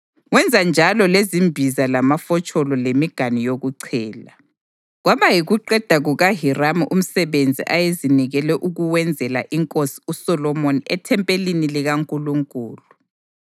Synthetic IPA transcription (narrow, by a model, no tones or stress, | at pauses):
wɛnd͡zʱand͡ʒʱalɔlezimbʱizalamafɔt͡ʃʼɔlɔlemiɡ̥ʱanijoɣuǀʰɛːla | ɣwaβajiɣuǃɛd̥ʱaɣuɣaɦiramuʔum̩sɛβend͡zʱḭʔajeziniɣɛlɛʔuɣuwɛnd͡zʱɛla̰ʔiŋkʼosi̥usɔlɔmoniʔɛtʰɛmpʼeliniliɣaŋkʼuluŋkʼuːlu